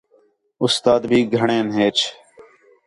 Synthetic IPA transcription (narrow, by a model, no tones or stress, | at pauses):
ʊst̪aːd̪bʱiːɡʱəɳẽːnɦeːt͡ʃʰ